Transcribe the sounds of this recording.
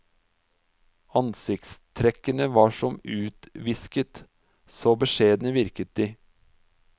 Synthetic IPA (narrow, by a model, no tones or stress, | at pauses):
ɑnsɪkt̪st̪ʰɾɛkənəʋɑːʂɔmʉːt̪ʋɪskət̪ | soːbəʂeːd̪nəʋɪɾkət̪iː